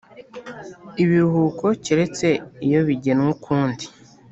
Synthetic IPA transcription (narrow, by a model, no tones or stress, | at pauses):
iβiɾuhuːko̞ciɾe̞t͡se̞ijo̞βiɟenwukʰuːndi̥